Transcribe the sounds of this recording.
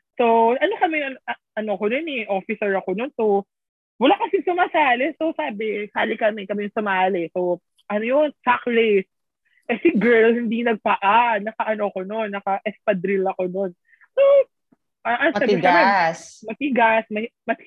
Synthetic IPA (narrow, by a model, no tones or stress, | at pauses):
sowʔɐno̞kɐmɛɐnʔɐnokononɛʔofɪsɛɹɐko̞nonso | wɐlakɐsɪsʊmaːsaːlɛsosaːbɛsaːlɪkɐmɛkɐmɪjʊŋsʊmaːlɛsow | ʔɐnojonsakɾes | ʔɛsɪɡɛɹlhɪnd̪inɐɡ̚pɐʔanɐkɐʔɐnoko̞no̞nːɐkɐʔɛspɐd̪ɾɪlɐko̞no̞n | so | ʔɐʔɐnaːɪɡkɐmɛsmɐt̪ɪɡasmɐmɐt̪